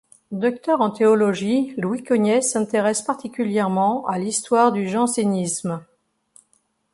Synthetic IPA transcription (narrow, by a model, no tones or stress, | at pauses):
d̪ɔk̚t̪œʁɑ̃t̪eɔlɔʒilwikɔnjɛsɛ̃t̪eʁɛspaʁt̪ikʲyljɛʁmɑ̃alist̪waʁd̪yʒɑ̃senism